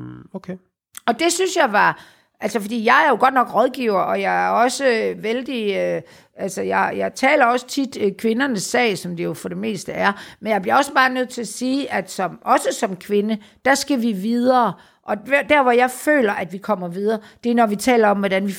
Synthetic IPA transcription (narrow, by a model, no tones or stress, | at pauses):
okʰe | ɒ̽d̥e̝synsjɑ̈ɪʋɑ̈ | ʔælsɐfɒd̥ḭːjɑ̈ɪæɐjo̝ɡ̥ɒ̽d̥̚nɒ̽ɡ̥ʁɒ̽ð̞ˠɡ̥iʊɐʔɒ̽jɑɪæɐɒ̽səʋeld̥iø | ælsəjɑ̈ɪjɑ̈ɪt͡sʰɛ̰ːlɐɒ̽sə̥t͡sʰid̥kʰʋe̝nɐnəsːɛ̰ːɪsɒ̽md̥ijo̝fɒ̽ɾ̥e̝me̝̰ːsd̥əæɐmenjɑ̈ɪb̥liɐɒ̽səb̥ɑ̈ːnøð̞̰ˠt͡sʰe̝æsiːʔæd̥sɒ̽mʔɒ̽səsɒ̽mkʰʋe̝nəd̥æsɡ̥æʋiʋiðˠɐː | ʔɒ̽d̥æɐ̰ʋɒjɑ̈ɪfø̰ːlɐʔæd̥ʋikʰɒ̽m̰ɐʋið̞ˠɐːd̥e̝nɒʋit͡sʰɛ̰ːlɐɒ̽mʋɒdænʋi